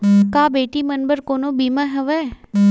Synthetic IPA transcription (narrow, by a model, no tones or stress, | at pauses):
kaːbeːʈimɐnbəɾkoːnobiːmaɦɛʋɛː